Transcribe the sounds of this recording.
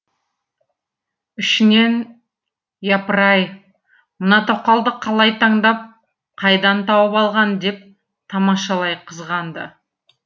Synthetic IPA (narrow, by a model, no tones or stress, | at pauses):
ʏʃɪne̞n | jɑpəɾɑj | mənɑt̪ʰowqɑlˠd̪əqʰɑlˠɑjt̪ʰɑɴd̪ɑp̚ | qʰɑjd̪ɑnt̪ʰɑwəpɑlˠʁɑnd̪e̞p̚ | t̪ʰɑmɑʃɑlˠɑjqʰəzʁɑnd̪ə̰